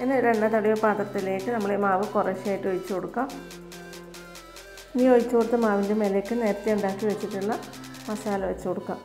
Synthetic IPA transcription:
enːeɾeɳɖɐt̪ɐɽijʋɐpaːt̪rɐt̪ːile̞ːkːɨnɐmːɐɭemaːʋɨkureɕaːjiʈːojit͡ɕːɨkoɽukːam | niːo̞jit͡ɕːɨkoɽut̪ːɐmaːʋinde̞melekːɨne̞ːɾɐt̪ːeuɳɖaːkːiʋet͡ɕːiʈːuɭːɐ | ʋɐsaːlɐʋet͡ɕːukoɽukːam

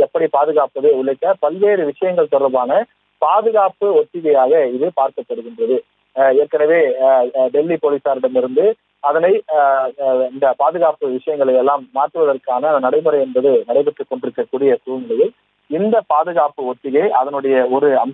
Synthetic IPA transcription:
ɛpːɐɽipaːðɯɣaːpɐðeʊɭɐɪkːɐpɐlʋeːɾɯʋɪʂɐjɐŋɡɐɭt̪ɔɾɐʋaːnɐ | paːðɯɣaːpɯɔt̪ːɪɣɐjaːɣɐɪðɯpaːɾkɐpːɐɽɯɣɪndrɐðɯ | ɛɾkːɐnɐʋeːɖɛlːipoːlisaːɾɪɽɐmɪɾɯnd̪ɯ | ɐðɐnɐɪ | ɪnd̪ɐpaːðɯɣaːpɯʋɪʂɐjɐŋɡɐɭɐɪjɛlːaːmːaːʈːɯʋɐðɐrkaːnɐnɐɽɐɪmɯɾɐɪɛnbɐðɯnɐɽɐɪpɛʈrɯkːɔɳɖɪɾɯkːɐkːuːɽɪjɐkuːmɐlɐjɪl | ɪnd̪ɐpaːðɯɣaːpːɯɔt̪ːɪɣɐɪʔɐðɐnɯɽɐjɐɔɾɯɐm

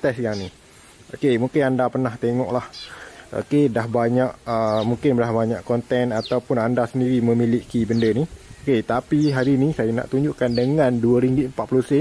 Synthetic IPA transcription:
t̪ɛsjaŋni | ʔokemuŋkɪnandapərnaht̪eŋɔʔlaho̰kedahbaɲaʔəmuŋkɪnbdahbaɲaʔkɔnt̪ɛnat̪awpʊnandasəndiɾiməmiliʔkibəndənioket̪apiɦaɾinisajana̰ʔt̪uɲd͡ʒuʔkandəŋanduəɾiŋɡɪt̪mpat̪̚pluhsə

